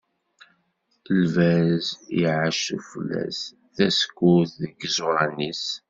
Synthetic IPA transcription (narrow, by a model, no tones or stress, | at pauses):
əlvæzjiʕaʃufəlːæ̰s | θæskːuθðəɡzʊɾˤɑnis